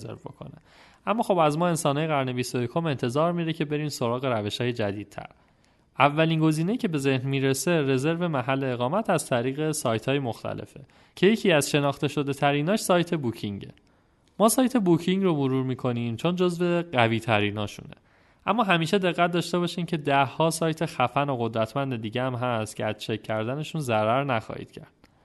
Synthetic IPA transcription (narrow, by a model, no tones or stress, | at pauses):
zḛɾvbo̰kʰo̞̰ne | ʔæmːɒːxo̞bæzmɒːe̞nsɒːnɒːjeæɾne̞biːsojekʰome̞nt̪ʰe̞zɒːɾmiɾecʰe̞be̞ɾiːmso̞ɾɒːɣe̞ɾæve̞ʃhɒːjed͡ʒæ̰d̪iːd̪̥̚tʰæ̰ɾ | ʔævːæliːnɡo̞ziːne̞icʰe̞be̞ze̞hnmiːɾese̞ɾe̞ze̞ɾve̞mæɦælːe̞ːɣɒːmæt̪ʰæzt̪ʰæɾiːɣe̞sɒːjt̪ʰhɒːjemoxt̪ʰæ̰le̞̰fe̞ | cʰe̞je̞cʰiːæz̥ʃe̞nɒːxt̪e̞ʃo̞d̪e̞t̪ʰæɾiːnɒːʃsɒːjt̪ʰe̞bucʰiŋɟḛ | mɒːsɒːjt̪ʰe̞bucʰiŋɡromoɾuːɾmiːkʰo̞niːmt͡ʃʰond͡ʒozve̞ɢæviːt̪ʰæɾiːnɒːʃṵnḛ | ʔæ̰mːɒːɦæmiːʃe̞d̪e̞ɣːæt̪̚d̪ɒːʃt̪e̞βɒːʃiːmcʰe̞d̪æhːɒːsɒːjt̪ʰexæfænoɣo̞d̪ɾæt̪ʰmænd̪ed̪iːɟeæmɦæst̪cʰeæzt͡ʃʰecʰːæɾd̪æne̞ʃunzæɾæɾnæxɒ̰ːhḭːd̪̥cʰæ̰ɾd̪̥